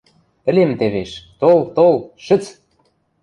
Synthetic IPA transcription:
ə̆lʲemt̪eβeʃt̪olt̪olʃə̆t͡s

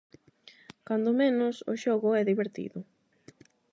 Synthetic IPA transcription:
kand̪ʊmenʊsʊ̰ʃɔɣʊɛðiβeɾt̪ḭðʊ

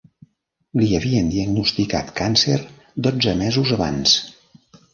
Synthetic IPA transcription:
liəβiənd̪iəɡnust̪ika̰t̪kanseɾ | d̪od͡zəmɛzuzəβa̰ns

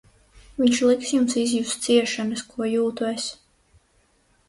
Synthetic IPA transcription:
viɲʲʃlˠiksjumsizjust̪siɛʃanɐskʰuɔjuːt̪ues

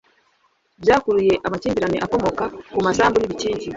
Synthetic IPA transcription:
bjaːkuluje̞ʔamaciːmbiɾaniʔako̞mo̞kakumasaːmbuniβiciːɲɟi

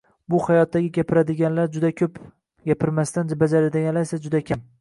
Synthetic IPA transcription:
bʊhajɒt̪ːaɡʲɪɡʲapʰɪɾad̪ɪɡʲanlaɾd͡ʒʊd̪akʲʰɵp | ɡʲapʰɪɾmast̪and͡ʒabad͡ʒaɾɪd̪ajʲalajsad͡ʒʊd̪akʲʰam

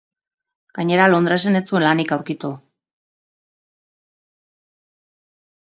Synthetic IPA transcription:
ɡ̥aɲe̞ɾalo̞nd̪ɾaesenet͡sue̞nlanikawɾkit̪u

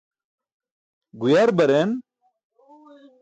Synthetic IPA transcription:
ɡujaɾbɐɾen

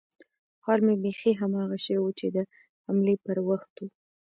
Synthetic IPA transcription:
hɑlmebexiɦamɑɣaʃəwewut͡ʃed̪ə | hamlepəɾwaxt̪wu

